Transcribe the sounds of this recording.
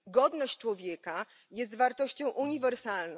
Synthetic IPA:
ɡɔd̪nɔɕt͡ɕt͡ʂwɔvʲjɛka | jɛs̬t̪vaɾt̪ɔɕt͡ɕɔ̃w̃ʔuɲivɛɾsalnɔ

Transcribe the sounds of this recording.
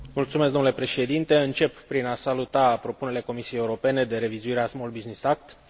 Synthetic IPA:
mult̪sumes̬kd̪onlepɾe̞ʃe̞d̪int̪e̞ɨnt͡ʃe̞pːɾinasalut̪apɾo̞puneɾele̞ko̞misijejeuɾo̞pe̞ne̞d̪e̞ɾe̞vizuiɾeasmolbiznisak̚t̪

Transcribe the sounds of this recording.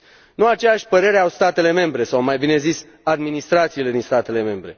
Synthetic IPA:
nuat͡ʃejaʃʲpəɾe̞ɾeawst̪at̪e̞le̞me̞mbɾe̞sawmajbine̞zis | ad̪minist̪ɾat̪siːle̞d̪inst̪at̪e̞le̞me̞mbɾe̞̰

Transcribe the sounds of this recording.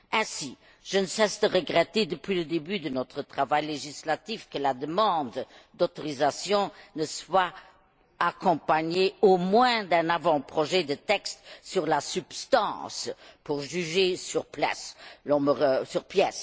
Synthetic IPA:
ɛ̃si | ʒ̥ənəsɛsd̪əʁəɡʁɛt̪ed̪əpɥiləd̪ebyd̪ənɔt̪χət̪χavajleʒislat̪ifkəlad̪əmɑ̃d̪d̪ot̪ɔʁizasjɔ̃nəswa | akɔ̃paɲeomwɛ̃d̪ɛ̃navɑ̃pχɔʒɛd̪ət̪ɛkst̪syʁlasypst̪ɑ̰̃ːspuʁʒyʒesyʁpla̰slɔ̃məʁəsyʁpjɛs

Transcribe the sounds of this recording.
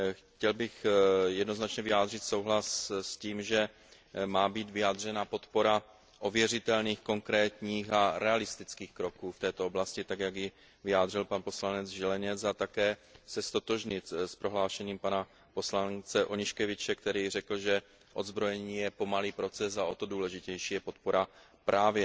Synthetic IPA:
xcɛlbɪxjɛdno̞znat͡ʃɲɛvɪjaːd̪r̝ɪt̪so̞wɦlassciːmʒɛ | maːbiːd̪vɪjaːd̪r̝ɛnapo̞t̪po̞ɾa | ʔovjɛr̝ɪt̪ɛlniːxko̞ŋkɾɛːt̪ɲiːxaɾɛalɪst̪ɪt͡skiːxkɾo̞kuːft̪ɛːt̪ooblascɪt̪aɡjaɡjɪ | vɪjaːd̪r̝ɪlpanpo̞slanɛd͡zʒɛlɛɲɛt͡sat̪akɛːsɛst̪o̞t̪o̞ʒɲɪt̪spɾo̞ɦlaːʃɛɲiːmpana | po̞slant͡sɛʔoɲɪʃkɛvɪt͡ʃɛkt̪ɛɾiːr̝ɛkl̩ʒɛ | ʔo̞d̪zbɾojɛɲiːjɛpo̞maliːpɾo̞t͡sɛsaʔo̞t̪o̞duːlɛʒɪcɛjʃiːjɛpo̞t̪̚po̞ɾa | pɾʔaːvjɛ

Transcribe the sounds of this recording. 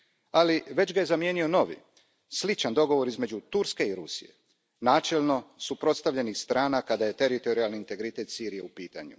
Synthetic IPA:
aliʋe̞d͡ʑɡaje̞zamje̞ːnio̞no̞ʋḭ | slit͡ʃand̪o̞ɡo̞ʋo̞ɾizme̞d͡ʑut̪uɾske̞iɾusḭje̞̰ | naːt͡ʃe̞lno̞supɾo̞t̪st̪avʎe̞nixst̪ɾaːnakad̪aje̞t̪e̞ɾit̪o̞ɾialniint̪e̞ɡɾit̪e̞t̪siːɾije̞upiːt̪aɲṵ

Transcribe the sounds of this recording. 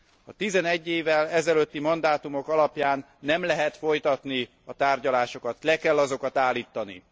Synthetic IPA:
ɒt̪izɛnɛɟːeːvɛlɛzɛløt̪ːimɒnd̪aːt̪umo̞kɒlɒpjaːnːɛmlɛɦɛt̪fo̞jt̪ɒt̪ni | ɒt̪aːrɟɒlaːʃo̞kɒt̪lɛkɛlːɒzo̞kɒt̪aːlːiːt̪ːɒnḭ

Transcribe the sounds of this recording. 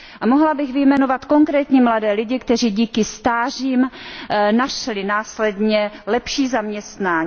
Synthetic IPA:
ʔamoɦlabɪɣvɪjmɛnovat̪ko̞ŋkɾɛːt̪ɲimladɛːlɪɟɪkt̪ɛriːɟiːkɪst̪aːriːmnaʃlɪnaːslɛdɲɛlɛpʃiːzamɲɛst̪naː

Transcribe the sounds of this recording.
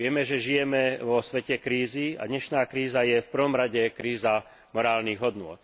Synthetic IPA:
ɪɛmɛʒɛʒijɛmɛʋɔsʋɛcɛkɾiːzia̰d̪ɲɛʃnaːkɾiːzajɛfpr̩ʋɔmɾaɟɛkɾiːza | mɔɾaːlniːɣɦɔd̪nʊɔ̰t̪̚

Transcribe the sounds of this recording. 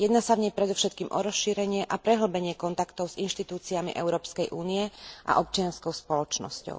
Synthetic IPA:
jɛd̪naːsavɲɛjpɾɛd̪ɔfʃɛt̪̚kiːmʔɔɾɔsʃiːɾɛɲɪɛʔapɾɛɦl̩bɛɲɪɛkɔnt̪akt̪ɔʊz̥inʃt̪it̪uːt͡siamḭʔɛʊɾɔːpskɛjʔuːniɛʔa̰ʔɔp̚t͡ʃɪanskɔʊspɔlɔt͡ʃnɔ̰scɔ̰ʊ

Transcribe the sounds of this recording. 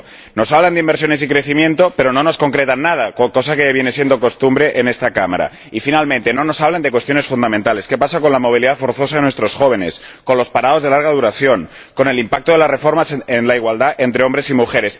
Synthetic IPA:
no̞saβland̪imbeɾsjonesikɾe̞θimjẽ̞nt̪ope̞ɾo̞no̞no̞sko̞ŋkɾet̪anːað̞akko̞sakeβje̞nesje̞nd̪oko̞st̪umbɾe̞ʔene̞st̪akama̰ɾa̰ | ifinalmẽnt̪e̞no̞no̞saβland̪ekwe̞st̪jo̞nesfund̪amẽnt̪ale̞ske̞pasako̞nlamo̞β̞iliðafo̞ɾθo̞s̬aðenwest̪ɾosxo̞β̞e̞ne̞s | konlo̞spaɾaðo̞zðe̞laɾɣ̞aðuɾaθjo̞ŋ | ko̞ne̞limpak̚t̪oðe̞lasre̞fo̞ɾmasenlaiɣ̞wald̪aʔent̪ɾeo̞mbɾesimuxe̞ɾe̞s

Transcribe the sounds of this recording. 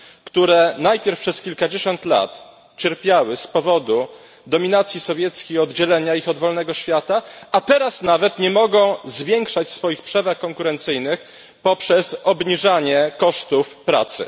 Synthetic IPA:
kt̪uɾɛnajpʲjɛɾfpʂɛskʲilkad͡ʑeɕɔnt̪la̰t̪ | t͡ɕɛɾpʲjawɘspɔvɔd̪u | d̪ɔmʲinat̪sʲjisɔvʲjɛt̪skʲejɔd̪d͡ʑɛlɛɲaixɔd̪vɔlnɛɡɔɕfʲjat̪aːt̪ɛɾasnavɛt̪ɲɛmɔɡɔ̃w̃zvʲjɛŋkʂat͡ɕsfɔjixpʂɛvaxkɔŋkuɾɛnt̪sɘjnɘx | pɔpʂɛsɔbɲiʐaɲɛkɔʂt̪ufpɾa̰t̪sɘ̰

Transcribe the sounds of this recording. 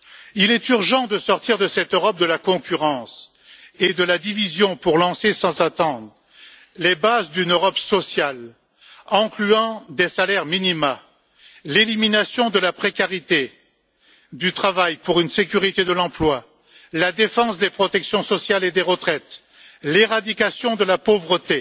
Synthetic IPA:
ilɛt̪yʁʒɑ̃d̪əsɔʁt̪iʁd̪əsɛt̪øʁɔp̚d̪əlakɔ̃kʲʰyʁɑ̃s | ed̪əlad̪ivizjɔ̃puʁlɑ̃sesɑ̃zat̪ɑ̃d̪ʁː | ebazd̪ynøʁɔpsɔsjal | ɑ̃klyɑ̃d̪esalɛʁminima | leliminasjɔ̃d̪əlapχekaʁit̪e | d̪yt̪χavajpuʁynsekʲyʁit̪ed̪əlɑ̃plwa | lad̪efɑ̃sd̪epχɔt̪ɛksjɔ̃sɔsjaled̪eʁət̪χɛt̪ | leʁad̪ikasjɔ̃d̪əlapovʁət̪e

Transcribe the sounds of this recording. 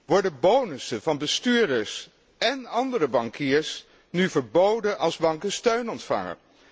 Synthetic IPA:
ʋɔɹdəbownəsənvɑnbəstyːdəɹs | ɛnɑndərəbɑŋkɪːɹs | nyvəɹbowdənʔɑlˠzbɑŋkəstøɥnɔntfɑ̰ŋə̰n

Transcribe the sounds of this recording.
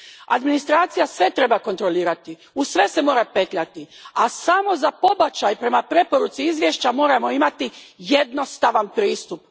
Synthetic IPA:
a̰d̪minist̪ɾaːt̪sijasʋe̞t̪ɾe̞bako̞nt̪ɾo̞liːɾat̪i | usʋe̞se̞mo̞ːɾape̞t̪ʎat̪iasamo̞zapo̞bat͡ɕajpɾe̞mapɾe̞po̞ɾut̪siizʋje̞ʃt͡ɕamo̞ːɾamo̞imat̪ije̞d̪no̞st̪aʋanpɾiːst̪up

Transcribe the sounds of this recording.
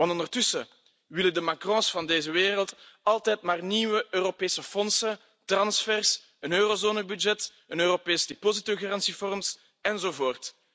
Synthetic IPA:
wɑntɔndərtʏsə | ʋɪlədəmakrɔ̃sfɑndeːzəʋeːrəlˠtɑlˠtɛːtmaːrniːʋəʔøːropeːsəfɔnsə | trɑnsfɛrs | ənøːrozoːnəbyd͡ʒɛt | ənøːropeːsdepozitøɣarɑnsifɔrms | ɛnzoːvoːrt

